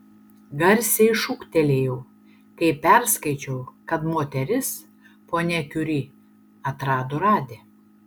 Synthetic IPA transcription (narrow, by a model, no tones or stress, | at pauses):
ɡɐɾʲsʲɛɪʃʊkt̪ʲɛlʲeːjɛʊ | kɐɪpʲæɾskɐɪt͡ʃʲɛʊkɐt̪moːt̪ʲɛɾʲɪs | poːnʲɛkʲʊɾʲiː | ɐt̪ɾɑːd̪oːɾɑːd̪ʲeː